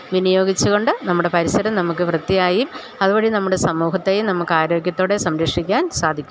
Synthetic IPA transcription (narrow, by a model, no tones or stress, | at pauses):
ʋinijo̞ːɡit͡ɕːuɣo̞ɳɖɨnɐmːuɽe̞pɐɾisɐɾɐmnɐmuk̬ːɨʋrɨt̪ːijaːjim | ɐðuboːɽinɐmːuɽe̞sɐmuːɦɐt̪ːe̞jumnɐmːukːaːɾo̞ːɡjɐt̪ːoːɽe̞sɐmɾɐʂikʲːaːnsaːd̪ʱikʲːu